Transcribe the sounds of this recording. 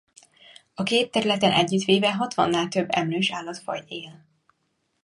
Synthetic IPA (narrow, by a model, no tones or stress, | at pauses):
ɒkeːt̪ːɛɾylɛt̪ɛnʔɛɟːyt̪ʋeːvɛɦɒt̪ʋɒ̰nːaːlt̪ø̞bːɛmløːʃaːlːɒt̪fɒ̰jeːl